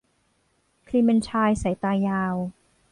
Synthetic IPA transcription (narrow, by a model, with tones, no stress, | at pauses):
kʰliː˧me˧nt͡ɕʰaː˧jsa˨˩˦jt̪aː˧jaː˧w